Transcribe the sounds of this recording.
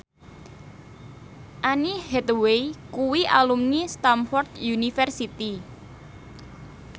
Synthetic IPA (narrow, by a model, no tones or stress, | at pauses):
ʔanihɛt̪weikuwiʔalumnist̪amfɔrt̪junifɛrsit̪i